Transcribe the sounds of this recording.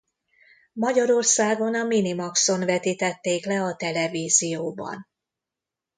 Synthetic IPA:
mɒɟɒɾo̞rsaːɡo̞nɒminimɒkso̞nvɛt̪it̪ɛt̪ːeːklɛɒt̪ɛlɛviːzijoːbɒ̰n

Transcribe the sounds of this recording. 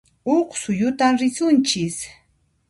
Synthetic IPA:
oχsʊjʊt̪amɾɪsʊnt͡ʃɪs

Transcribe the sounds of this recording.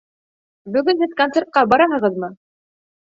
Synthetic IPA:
bɵ̆ɡɵnhɘðkont̪seɾt̪̚qɑbɑɾɑɦɤ̆ʁɤðmɤ

